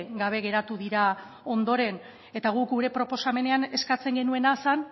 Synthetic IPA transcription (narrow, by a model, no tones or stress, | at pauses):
ɡaβ̞e̞ɣe̞ɾat̪uðiɾa | o̞nd̪o̞ɾe̞n | e̞t̪aɣ̞ukɡuɾe̞pɾo̞po̞same̞ne̞ane̞skat͡se̞ŋɡe̞nue̞nasan